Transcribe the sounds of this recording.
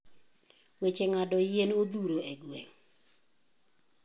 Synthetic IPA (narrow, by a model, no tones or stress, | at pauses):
wet͡ʃeŋadɔjenod̪uɾoeɡweŋ